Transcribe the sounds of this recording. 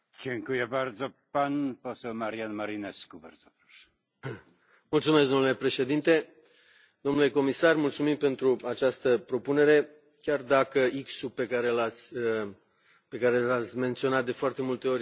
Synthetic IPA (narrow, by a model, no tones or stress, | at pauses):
t͡ʃeŋkujebaɾd̪zopanposɛlmaɾijanmaɾinɛskubaɾzopɾɔʃɛ̥ | mult̪sumesk̚d̪onule̞pɾe̞ʃe̞d̪int̪e̞ | d̪̥onule̞ko̞misarmult̪sumimpe̞nt̪ɾuat͡ʃast̪əpɾo̞pune̞ɾe̞ | kʲard̪akəiksupe̞kaɾe̞lat̪sʲ | pe̞kaɾelat̪sʲme̞nt̪sio̞nat̪̚d̪e̞foart̪e̞mult̪e̞o̞ɾʲ